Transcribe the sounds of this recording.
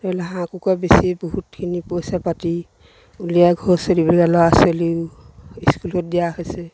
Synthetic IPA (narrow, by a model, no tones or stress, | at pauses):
talɛɦãkukabesibɔɦutkʰinipɔsapati | ulijaɡʱɔsɔɾibɔliɡalɔasɔliw | iskulɔt̚dijahɔjsɛ